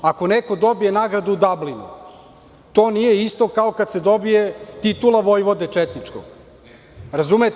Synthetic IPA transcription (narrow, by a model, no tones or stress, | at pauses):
ako̞neko̞d̪o̞bijenaɡɾad̪uud̪ablinṵ | t̪o̞ːnije̞ist̪o̞kaokad̪se̞d̪o̞bijet̪it̪ulˠaʋojʋo̞d̪e̞t͡ʃet̪nit͡ʂko̰ | ɾazumet̪